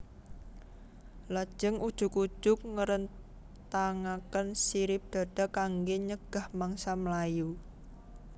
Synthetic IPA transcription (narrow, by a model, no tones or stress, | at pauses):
lḁʒ̥əŋud̥ʒ̥ṳku̥ʒ̥ʊk̚ŋəɾən | t̪aŋakənsiɾɪp̚d̪̥a̤ɖ̥a̤kaŋɡeɲəɡ̥a̤hmaŋsaməlaju